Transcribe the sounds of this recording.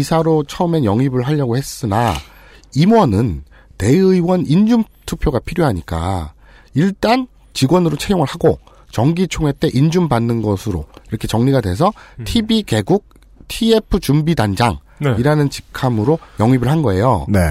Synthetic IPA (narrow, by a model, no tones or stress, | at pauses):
isʰaɾot͡ɕʰʌɯme̞njʌŋibɯɭɦaʎːʌɡohe̞s͈ɯna | imwʌnɯn | te̞ɯiwʌnind͡ʑum | tʰupʰjoɡapʰiɾjoɦaɲik͈a̰ | iɭt͈an | t͡ɕiɡwʌnɯɾot͡ɕʰeɡjoŋɯɭhaɡo | t͡ɕʌŋɡit͡ɕʰoŋɦe̞t͈e̞ʔind͡ʑumbanːɯnɡʌsʰɯɾo̰iɾʌkʰe̞t͡ɕʌŋɲiɡadwe̞s̬ʰʌtʰibike̞ɡuk̚ | tʰie̞pʰɯt͡ɕumbidand͡ʑaŋ | iɾanɯnt͡ɕi̥kʰamɯɾojʌŋibɯɭɦanɡʌe̞jo̰ne